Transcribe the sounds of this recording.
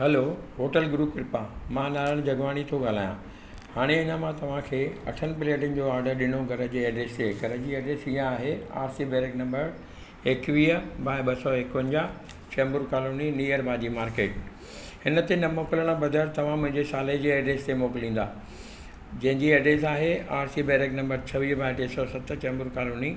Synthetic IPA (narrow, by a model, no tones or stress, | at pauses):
ɦɐloɦoːʈəlɡɾuːpɪɾɪpãmãnaːɾəɽ̃ʊd͡ʑʱɐɡʋaːɽ̃it̪ʰoɡaːl̤aːjã | haːɽ̃eɦɪnəmãt̪ɐʋ̤ãkʰeːɐ̰ʈʰənɪ̆pɪleːʈɪn̆d͡ʑoːaːɾɖəɾɗɪɽ̃oɡʱɐɾəd͡ʑeːeːɖɾeːst̪ekɐɾəd͡ʑiɐːɖɾeːsijãaːɦea̰ːɾsibeːɾeknɐ̃mbəɾ | eːkʋiːəbaːɓɐsɔːeɪkʋə̃ɲd͡ʑa | t͡ɕembʊɾkaːloːniniːəɾbʱaːd͡ʑimaːɾkeːʈ | hɪnət̪enɐmoːkɪləɽ̃əbɐd̪ʱəɾt̪ɐʋ̤ãmʊ̃ɦɪ̃ɲd͡ʑesaːled͡ʑeːeːɖɾeːst̪emoːkɪlĩːnd̪aː | d͡ʑɐ̃ɦɪ̃ɲd͡ʑieɖɾeːsaːɦeaːɾsibeːɾeknɐ̃mbəɾt͡ɕʰɐʋiːɦbʱaːʈesɔːsɐt̪ʰt͡ɕɐːmbʊɾkaːloːni